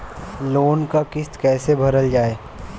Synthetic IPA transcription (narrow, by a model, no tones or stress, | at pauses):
loːnkakɪst̪kɛːsebʱɐɾəld͡ʒaːeː